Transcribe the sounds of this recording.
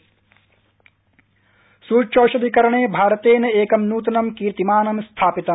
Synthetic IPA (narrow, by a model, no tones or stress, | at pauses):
suːt͡ʃoːʃɐʋikɐɾɐɳ̃eːbʱaːɾɐt̪eːnɐeːkɐmnuːt̪̬ɐnɐmkiːɾt̪imaːnɐmst̪ʰaːpit̪ɐm